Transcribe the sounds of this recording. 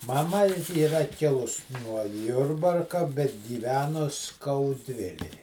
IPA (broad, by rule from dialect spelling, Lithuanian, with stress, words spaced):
mɐˈmɐ iːˈrɐ ˈkʲɪlˠʊs nuɔ ˈjʊrbɐrkɐ bʲɛt ɡʲiːˈʋʲæːnʊs skɐʊˈdʲʋʲɪlʲɛj